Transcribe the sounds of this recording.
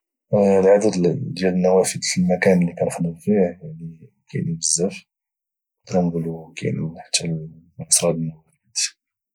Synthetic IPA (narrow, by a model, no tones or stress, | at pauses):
lʕad̪əd̪jæd̪ənːæwæfəd̪əlmækænlːikænxləmfihjaʕni | kæ̰jnbəzːəf | d̪ɾɑnbəlukæ̰j̰nħə̥t̪ːælʔɑsˤɾˤɑd̪nwæfit̪